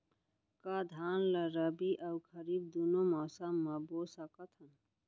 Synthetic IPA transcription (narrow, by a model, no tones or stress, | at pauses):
kad̪ʱanləɾəbiʔəukʰəɾiːb̚d̪unomɔsamːəbosəkət̪ʰɦən